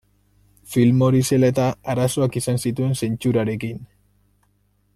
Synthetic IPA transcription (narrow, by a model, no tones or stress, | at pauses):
filmo̞ɾise̞let̪aaɾaso̞akisansit̪ue̞nse̞nt͡ʃuɾaɾe̞kin